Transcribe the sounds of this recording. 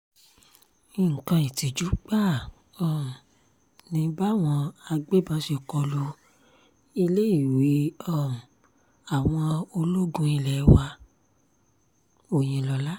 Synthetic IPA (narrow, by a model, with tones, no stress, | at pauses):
i˦˨ŋ̩˨kã˧ĩ˨ti˨d͡ʒu˨˦k͡pa˦˨ | ɔ˨ | nĩ˨˧˦ba˦˨w̃ɔ̃˧a˧ɡ͡be˦bã˧˦ʃe˧˨kɔ˧lo˧ | i˧le˦i˦˨wi˨˦ɔ˦˨ | a˨w̃ɔ̃˧o˧lo˦ɡũ˧i˧lɛ˨˧wa˧ | o˦˨j̃ĩ˧lɔ˧la˦